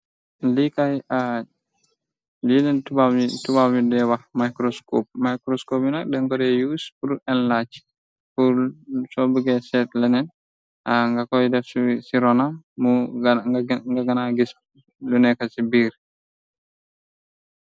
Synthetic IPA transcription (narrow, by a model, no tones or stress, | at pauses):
likaja | lidɛntubaitubaidɛwamajkɾɔskɔp̚majkɾɔskɔpinadɛŋkɔɾɛjuspuɾuʔɛnlat͡ʃi̥ | fulsɔbuɡɛsɛtlɛnɛn | aŋɡakɔjdɛfsusiɾɔnamːu | ŋɡaɡanaɡis | lunɛkasibiɾ